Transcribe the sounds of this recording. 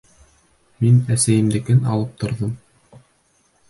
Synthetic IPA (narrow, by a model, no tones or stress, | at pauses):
minæsæjɘ̆md̪ɘ̆kɘnɑ̰lˠɤp̚t̪ʰŏɾðɤm